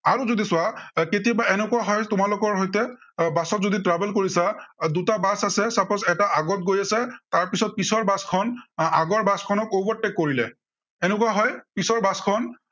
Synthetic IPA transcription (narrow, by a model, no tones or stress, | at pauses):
aɹuzodisʊaketijabaɛnɛkuwaɦɔjtʊmalʊkɔɹɦɔjtɛbasɔtzoditɹabɛlkoɹisadutabasasɛsapɔsɛtaʔaɡɔt̚ɡojasɛtaɹpisɔt̚pisɔɹbaskʰɔnaɡɔɹbaskʰɔnɔkobɔɹtːɛkːoɹilɛ | ɛnɛkuwaɦɔjpisɔɹbaskʰɔn